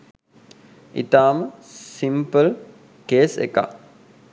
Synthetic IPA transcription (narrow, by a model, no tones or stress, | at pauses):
ḭt̪aːməsimpəl | keːsḛka̰